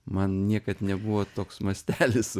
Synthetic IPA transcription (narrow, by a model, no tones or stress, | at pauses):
mɐnnʲiɛkɐt̪nʲɛbʊʋoːt̪oːksmɐsʲt̪ʲæːlʲɪs